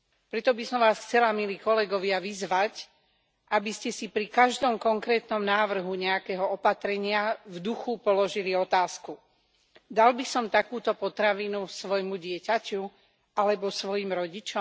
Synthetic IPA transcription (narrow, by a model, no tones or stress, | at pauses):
pɾɛt̪ɔbisɔmʋaːsxt͡sɛlamiliːkɔlɛɡɔʋɪaʋizʋac | ʔabiscɛsipɾikaʒd̪ɔmkɔŋkɾɛːt̪nɔmnaːʋr̩ɦuɲɛakɛɦɔɔpat̪ɾɛɲɪavd̪uxupɔlɔʒiliɔt̪aːsku | d̪albisɔmt̪akuːt̪ɔpɔt̪ɾaʋiːnusʋɔjmuɟɪɛcacu | alɛbɔsʋɔjimɾɔɟit͡ʃɔm